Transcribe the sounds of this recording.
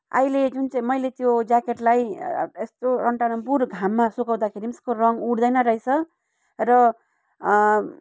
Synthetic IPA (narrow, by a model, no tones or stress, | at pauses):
a̰jled͡zunt͡saĩmʌjlet̪jod͡zakeʈlajest̪oɾʌɳʈanʌmpuɾɡʱamːasukaw̃d̪akʰeɾimeskorʌŋɡuɽd̪ʌjnʌɾʌɦjt͡sʰʌ | rʌ